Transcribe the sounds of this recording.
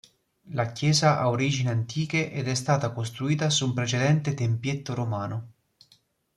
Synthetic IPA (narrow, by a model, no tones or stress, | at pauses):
lakjɛːzaʔaoɾiːd͡ʒineant̪iːk̟eʔɛd̪ɛst̪aːt̪akost̪ɾuiːt̪asumpɾet͡ʃed̪ɛnt̪et̪empjet̪ːoɾomaːno